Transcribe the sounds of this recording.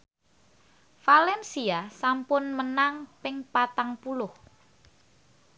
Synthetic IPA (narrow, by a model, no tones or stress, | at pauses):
falɛnsiasampʊnmənaŋpɪŋpat̪aŋpulʊh